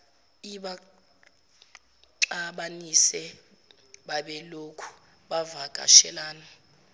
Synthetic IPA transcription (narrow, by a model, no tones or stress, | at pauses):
iɓa | ǃaɓanisɛ | ɓaɓɛlokʰu̥ | ɓavaɡ̥ʼʱa̰ʃɛlaːna